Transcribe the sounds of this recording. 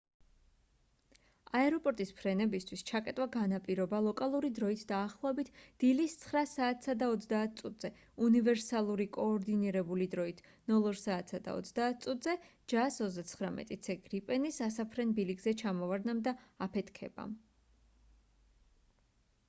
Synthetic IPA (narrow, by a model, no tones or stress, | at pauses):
aɛɾɔpʼɔɾt̪ʼispʰɾɛnɛbist̪ʰwist͡ʃʰakʼɛt̪ʼwaɡanapʼiɾɔbalˠɔkʼalˠuɾid̪ɾɔit̪ʰd̪aːχlˠɔɛbit̪ʰd̪̥ilist̪sʰχɾasaːt̪ʰsad̪aɔt̪sʰd̪aːt̪̚ʰt̪sʼut̪ʼz̥ɛ | univɛɾsalˠuɾikʼɔːɾd̪iniɾɛbulid̪ɾɔit̪ʰnɔlˠɔɾsaːt̪sad̪a̰ɔ̰t̪sʰd̪aːt̪̚ʰt̪sʼut̪ʰʼzɛd͡ʒasɔzd̪at̪sʰχɾamɛ̰t̪ʼit̪sʰɛɡɾipʼɛnisasapʰɾɛnbiliɡzɛt͡ʃʰamɔvaɾd̪namd̪aapʰɛt̪ʰkʰɛ̰ba̰m